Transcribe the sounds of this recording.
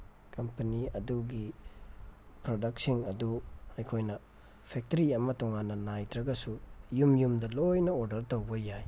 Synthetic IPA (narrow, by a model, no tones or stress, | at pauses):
kɐmpɐniɐduɡi | pɾodɐk̚siŋɐduɐjkʰojnɐ | pʰek̚tɐɾiɐmɐtɔŋanːɐnajtɾɐɡɐsujumjumdɐlojnɐoɾdɐɾtowbɐjaj